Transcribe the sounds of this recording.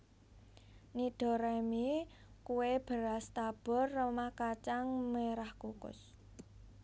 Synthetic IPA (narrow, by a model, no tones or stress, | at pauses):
niɖ̪̥ɔ̤ɾemi | kuweb̥əɾast̪ab̥ɔ̤rːəmahkat͡ʃaŋmeɾahkukʊ̰s